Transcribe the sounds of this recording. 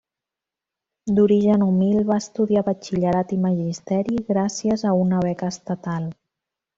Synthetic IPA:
d̪uɾiʒənumilβaəst̪uðiaβət͡ʃiʎəɾat̪iməʒist̪ɛɾiɣɾasiəzəunəβ̞ɛkəːst̪ət̪alˠ

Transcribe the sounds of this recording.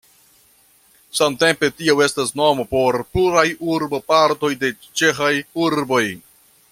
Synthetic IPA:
samte̞mpe̞tiawe̞stasno̞mopo̞ɾpluɾajuɾbopaɾto̞jde̞ | t͡ʃe̞xajuɾbo̞j

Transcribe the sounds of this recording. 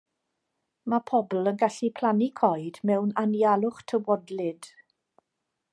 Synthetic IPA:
mapʰɔbl̩ˠənɡaɬipʰlanikʰɔjdmɛwnanjalˠʊχtʰəwɔdlɪd̥

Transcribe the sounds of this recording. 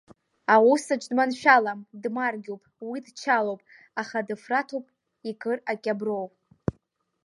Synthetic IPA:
awusat͡ʃʷʼdmanʃᶣalamdmarɡʲowpʼwidt͡ʃʰalowpʼ | aχadɨfratʰowpʼ | ikʼɨrakʲʼabrow

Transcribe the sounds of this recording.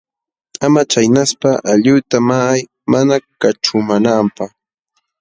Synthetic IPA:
amat͡ʃajnaspaʔaʎʊt̪amaːj | manakaʈ͡ʂʊmanampaχ

